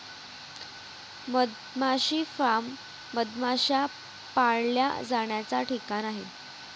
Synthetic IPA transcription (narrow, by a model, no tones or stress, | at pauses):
məd̪ | maɕiːfamː | əd̪maɕa | paɽlja̰d͡zaɳjat͡saʈikanaɦi